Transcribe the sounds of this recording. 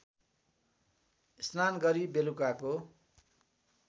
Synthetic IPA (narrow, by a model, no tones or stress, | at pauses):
isnanɡʌɾibelukako